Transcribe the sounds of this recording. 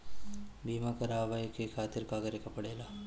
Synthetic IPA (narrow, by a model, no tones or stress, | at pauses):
biːmakɐɾaːʋajkekʰaːt̪iɾkaːɡɐɾekɐpɐɽeːlaː